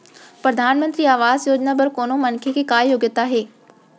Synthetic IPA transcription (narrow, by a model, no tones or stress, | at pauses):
pɾɐd̪ʱaːnmə̃nt̪ɾiːaːʋaːzjoːd͡ʑnabɐɾkoːnomɐnkʰekʰeːkaːjoːɡət̪aːɦeː